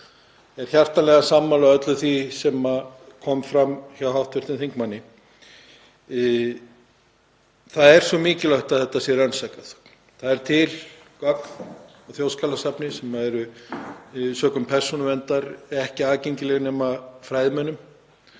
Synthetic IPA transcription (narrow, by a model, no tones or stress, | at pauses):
ɛɾ̥çjar̥t̪anlɛɣasaːmːalaœt̪lʏθvisɛmakʰɔmfɾamçawɦawht̪vɪr̥t̪ɪnθiŋkmanːɪ | θaðɛɾ̥svɔmɪːcɪlœɥht̪aðθɛht̪ːasjɛɾœnsajkaθ | θaðɛɾ̥t̪ʰɪl | kœkn | ɔɣθjowskalasapnɪsɛmaðɛɾʏ | sœːkʏmpʰɛr̥sunʏvɛnt̪aɾɛhcɪaːðceɲcɪlɛɣnɛːmafɾaːjðɪmœnːʏm